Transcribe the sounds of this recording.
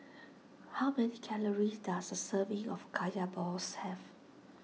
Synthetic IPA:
haʊmɛnikʰɛləɹisdasdəsəvĩŋɔfkʰajabɔshɛv

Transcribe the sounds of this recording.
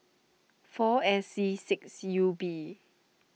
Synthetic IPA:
fɔɛsisɪksjubi

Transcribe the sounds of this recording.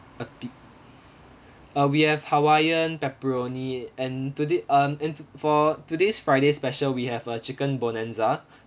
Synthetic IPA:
əpi | əwihɛvhawajə̃npɛpɹoniɛ̃ntudeʌmɛ̃nfɔtudesfɹaɪdespɛʃəlwihɛvət͡ʃikə̃nbɔnɛ̃nza

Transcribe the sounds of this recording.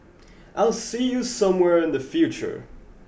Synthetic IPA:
ʔaɪlˠsijɨsʌ̃mwɛɹɨ̃nðɨfjʉt͡ʃə̰˞

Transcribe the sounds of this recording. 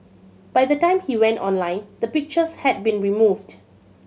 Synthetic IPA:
b̥ajdətãɪ̃mhiwɛ̃ntɔ̰̃nlãɪ̃nd̪əpɪk̚t͡ʃəshɛd̚bĩnɹimuvd

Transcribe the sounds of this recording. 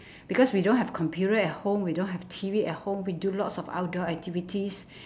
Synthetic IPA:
b̥ikɔswidõnɦɛfkʰɔ̃mpʰjutəɛt̚hõmwidõnɦɛftʰiviɛt̚hõmwidulɔtsɔfa̰ʊdɔɛk̚tʰivitʰis

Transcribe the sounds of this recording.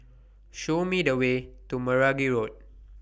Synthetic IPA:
ʃomidəwetuməɹaɡiɹot̚

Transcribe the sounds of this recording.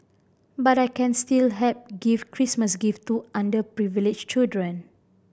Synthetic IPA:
batajkɛ̃nstilɦɛp̚ɡifkɹisməsɡiftuʔãndəpɹivilɪd͡ʒt͡ʃildɹə̃n

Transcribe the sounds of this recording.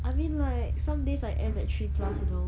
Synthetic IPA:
ʔaɪmĩnlaɪk̚sãmdesaɪʔɛ̃ndɛt̚tʰɹikʰlasino

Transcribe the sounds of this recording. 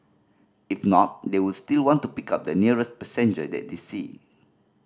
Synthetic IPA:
ifnɔt̚dewulstilwɔ̃ntupikap̚dəniəɹəs̚pɛsɛ̃nd͡ʒə̰dɛ̰t̚desḭ

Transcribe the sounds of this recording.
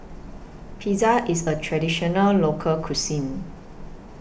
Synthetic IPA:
pʰizaʔisətʰɹɛdiʃɔnəllokʰəlkʰusĩn

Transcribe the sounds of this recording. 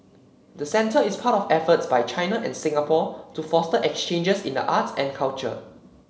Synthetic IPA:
dəsɛ̃ntəispʰatɔfɛfətsbajt͡ʃʰãjnəʔɛ̃nsɪ̃ŋapɔtufɔstəʔɛkst͡ʃẽnd͡ʒəsḭ̃ndə̰ʔatɛ̰̃nkʰalt͡ʃə̰

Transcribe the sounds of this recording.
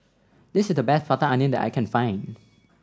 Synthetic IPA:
d̪ɪsɪsdəbɛsfatəãɪnɪ̃ndɛ̰ta̰ɪkʰɛ̃nfãɪ̃n

